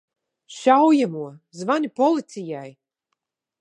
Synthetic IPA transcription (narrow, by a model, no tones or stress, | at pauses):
ʃawjamuɔzvanipɔlˠit̪sijaj